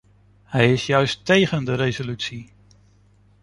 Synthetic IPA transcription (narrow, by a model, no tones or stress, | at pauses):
hɛjɪsjœɥstejχəndəɾejzolytsi